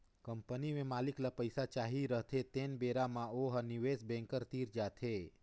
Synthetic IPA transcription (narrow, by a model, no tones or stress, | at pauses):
kəmpənimẽmaliklapəjsat͡ʃaɦiɾəɦt̪ʰet̪enbeɾamãoɦaniʋesbɛ̃ŋkəɾt̪iɾd͡ʒat̪ʰe